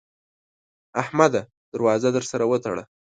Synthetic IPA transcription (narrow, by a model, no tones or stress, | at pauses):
ahmad̪a | d̪̥əɾwɑzad̪əɾsaɾawət̪aɽa̰